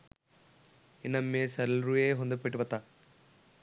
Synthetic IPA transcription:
inɐmːesɐɾlɾueːɦond̪ɐpːɐʈːibɐt̪ːa

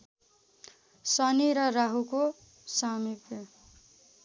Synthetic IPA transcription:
sʌniɾʌraɦuko | samipe

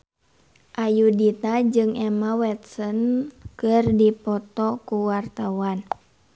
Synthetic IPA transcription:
ʔajudit̪ad͡ʒɨŋʔɛmawɛt̪̚sɔnkɨrdipɔt̪ɔkuwart̪awan

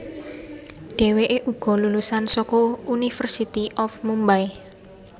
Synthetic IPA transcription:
ɖ̥e̤weʔeʔuɡ̥ɔ̤lulusansɔkɔunifərsit̪iʔɔfmumbaj

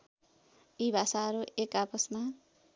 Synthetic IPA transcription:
ibʱasaʌɾuʔekapʌsma

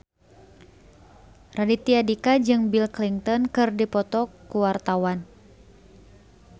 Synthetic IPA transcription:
radit̪iadikad͡ʒɨŋbilkliŋt̪ɔnkɨrdipɔt̪ɔkkuwart̪awan

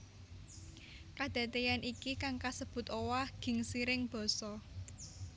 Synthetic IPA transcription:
kad̪̥ä̤t̪ejanʔikikaŋkasəb̥ʊ̤t̪owaɡ̥ɪ̤ŋsiɾɪŋb̥ɔ̤sɔ

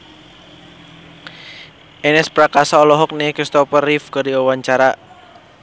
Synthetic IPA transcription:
ʔɛnɛspɾakasaɔlɔɦɔk̚nekist̪ɔpərifkədiawaɲt͡ʃaɾa

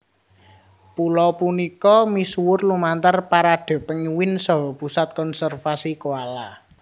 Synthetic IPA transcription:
pulɔpunikɔmisuwʊrlumant̪ərpaɾaɖ̥ɔ̤pəŋiwɪnsɔɦɔpusat̪̚kɔnsɛrfasikoala

